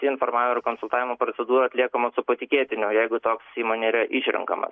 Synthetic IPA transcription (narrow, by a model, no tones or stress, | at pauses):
t̪ʲiːɪnfoːɾmɑːʋʲɪmokoːnsʊlˠt̪ɑːʋʲɪmoːpɾosʲɛd̪uːɾoɐt̪ʲlʲiɛkomosʊpɐt̪ʲɪkʲeːt̪ʲɪnʲʊjɛɪɡʊt̪oːksiːmoːnʲeiɾɐʔiʃʲɾʲɛ̰ŋkɐ̰mɐ̰s